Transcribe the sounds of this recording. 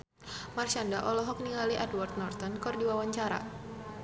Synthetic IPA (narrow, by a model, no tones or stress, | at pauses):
marʃandaʔɔlɔɦɔk̚niŋaliʔadwart̪̚nɔrt̪ɔnkɔrdiwawaɲt͡ʃaɾa̰